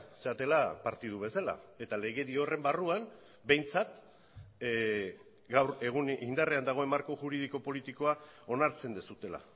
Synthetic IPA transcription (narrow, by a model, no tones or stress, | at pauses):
se̞at̪e̞lapaɾt̪ið̞uβe̞sala̰e̞t̪ale̞ɣ̞e̞ðio̞re̞mbaruan | be̞jnt͡sat̪ | ɡawɾe̞ɣunind̪areand̪aɣ̞o̞e̞maɾko̞ʝuɾiðiko̞po̞lit̪iko̞ao̞naɾt͡se̞nd̪esut̪e̞la̰